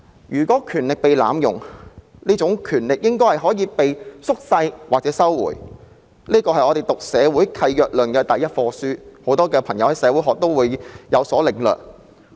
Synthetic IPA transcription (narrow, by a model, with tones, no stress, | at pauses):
jyː˨˩kʷɔː˨˥kʰyː˨˩nlɪ˨k̚pe˨jla̰ː˨˧mjʊ̰˨˩ŋniː˥t͡sʊ˨˥ŋkʰyː˨˩nlɪ˨k̚jɪ˥ŋkɔː˥hɐ˨˩jɦɔː˨˥jiː˨˧pe˨jsʊ˥k̚sɐ˧jwaː˨k̚t͡sɛː˨˥sɐ˥wwṵː˨˩j | liː˥kɔː˧ɦɐ˨˩jɔː˨˧ɾe˨jt̪ʊ˨k̚sɛː˨˧wuː˨˥jkʰɐ˧jjœː˨k̚lɵ˨˩nkɛː˧t̪ɐ˨˩jɐ˥t̚fɔː˧syː˥ho˨˥wt̪ɔː˥kɛː˧pʰɐ˨˩ŋjɐ˨˧whɐ˨jsɛː˨˧wu˨˥jɦɔː˨k̚t̪o˥wwuː˨˧jjɐ˨˧wsɔː˨˥lɪ˨˩ŋlœ̰ː˨˩k̚